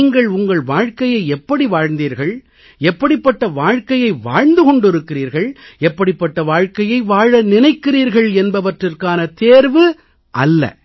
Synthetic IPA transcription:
ŋɡɐɭʊŋɡɐɭʋaːɻkɐjɐɪɛpːɐɽiʋaːɻnd̪iːɾɣɐɭ | ɛpːɐɽɪpːɐʈːɐʋaːɻkɐjɐɪʋaːɻnd̪ɯɣɔɳɖɪɾɯkːɪɾiːɾɣɐɭɛpːɐɽɪpːɐʈːɐʋaːɻkɐjɐɪʋaːɻɐnɪnɐɪkːɪriːɾɣɐɭɛnbɐʋɐʈrɪrkaːnɐt̪eːɾʋɯ | ʔɐ̰lːɐ̰

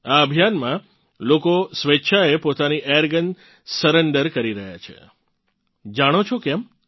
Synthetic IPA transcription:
aəbʱijanmã | lokosʋetːʃʰaepot̪aniʔejəɾɡən | səɾeɳɖəɾkəɾiɾəɦja̰t͡ʃʰḛ | d͡ʒaɽ̃ot͡ʃʰokɛm

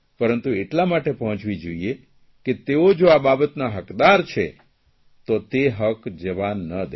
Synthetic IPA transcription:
pəɾənt̪ueʈlamaʈepəɦɔ̃t͡ʃʋid͡ʒoie | ket̪eod͡ʒoababət̪naɦəkd̪aɾt͡ʃʰḛ | t̪ot̪eɦəkd͡ʒəʋanːəd̪e

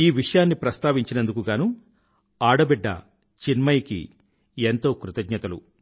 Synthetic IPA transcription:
iːʋiʂɐjaːnːipɾɐst̪aːʋiɲt͡ʃinɐnd̪ukuɡaːnu | aːɽɐbɛɖːɐ̰ | t͡ʃinmɐjkḭ | ent̪o̞ːkɾut̪ɐɡɲɐt̪ɐlṵ

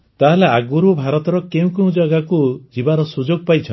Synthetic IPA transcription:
t̪aɦeleaɡuɾubʱaɾɔt̪ɔɾɔkeũkeũd͡ʒaɡakud͡ʒibaɾɔsud͡ʒoɡ̚pajt͡ʃʰɔn

